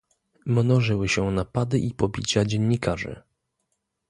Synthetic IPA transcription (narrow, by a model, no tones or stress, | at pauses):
mnɔʐɘwɘɕɛnapad̪ɘʔipɔbʲit͡ɕad͡ʑɛɲːikaʐɘ̰